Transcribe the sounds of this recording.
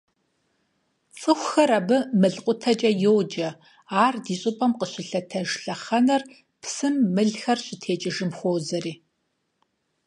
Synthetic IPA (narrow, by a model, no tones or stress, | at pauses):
t͡sʼɨxʷxɐɾɐbɨmɨɮqʷʼʊtʰɐt͡ʃʼɐjowd͡ʒɐ | aːrdiːɕʼɨpʼɐmqəɕʼɪɬɐtʰɐʒɬɐχɐnɐr | pʰsɨmːɨɮxɐrɕʼɪtʰeːt͡ʃʼɪʒɨmxʷoːzɐriː